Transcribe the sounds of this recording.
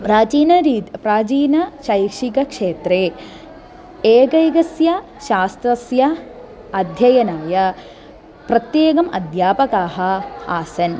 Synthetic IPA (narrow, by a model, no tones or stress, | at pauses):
pɾaːt͡ʃiːnɐɾiːt̪pɾaːt͡ʃiːnɐʃɐjkʂikɐkʂeːt̪ɾeː | eːkɐjɡɐsjɐ | ʃaːst̪ɾɐsjɐ | ɐd̪ʱjɐjɐnaːjɐ | pɾɐt̪jeːɡɐmʔɐd̪ʱjaːpɐkaːɦɐ̆aːsɐn